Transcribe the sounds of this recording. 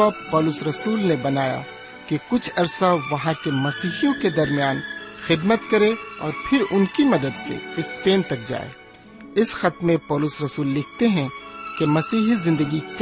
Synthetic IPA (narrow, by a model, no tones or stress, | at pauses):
apɔːlʊsɾɐsuːlnebɐnaːja̰ | kekʊt͡ʃʰɐɾsaʋɐɦãkemɐsiːɦijõked̪ɐɾmijaːnxɪd̪mət̪kɐɾẽɔːɾpʰɪɾʊnkimɐd̪əd̪sḛɪspeːnt̪ɐk̚d͡ʒa̰ːḛː | ɪsxɐt̪mẽpɔːlʊsɾɐsuːlːɪk̚ʰt̪eɦɛ̃kemɐsiːɦizɪ̃nd̪əɡik